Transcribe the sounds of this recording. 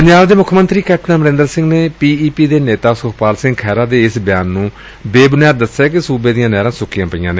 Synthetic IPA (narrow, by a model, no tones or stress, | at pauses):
pəɲd͡ʒaːʋd̪eːmʊkʰːmənt̪ɾiːkɛːpnãːməɾɪ̃nd̪əɾsɪ̃ŋɡneːpiːiːpiːd̪eːneːt̪aːsʊkpaːlsɪ̃ŋɡkʰɛːɾaːd̪eːɪsbɪjaːnːũː | beːbʊnjaːt̪̚d̪əsaːk̬ɪsuːbeːd̪ɪjãːnɛːɾãːsʊkɪjãːpəɪjãːneː